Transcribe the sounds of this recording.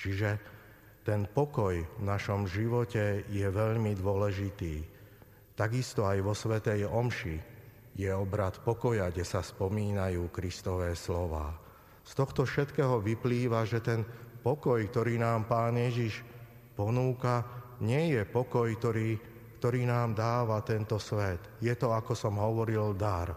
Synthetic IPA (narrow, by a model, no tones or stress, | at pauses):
t͡ʃiʒɛ | t̪ɛnpɔkɔjvnaʃɔmʒiʋɔcɛjɛʋɛʎmid̪ʊɔlɛʒit̪iː | t̪aɡist̪ɔajʋɔsʋɛt̪ɛjɔmʃi | jɛɔbɾat̪pɔkɔjaɡɟɛsaspɔmiːnajuːkɾist̪ɔʋɛːslɔʋa̰ː | st̪ɔxt̪ɔfʃɛt̪kɛːɦɔʋipliːʋaʒɛt̪ɛnpɔkɔjkt̪ɔɾiːnaːmpaːnɪjɛʒiʃ | pɔnuːkaɲɪɛjɛpɔkɔjkt̪ɔɾiː | kt̪ɔɾiːnaːmd̪aːʋat̪ɛnt̪ɔsʋɛt̪jɛt̪ɔakɔsɔmɦɔʋɔɾild̪aɾ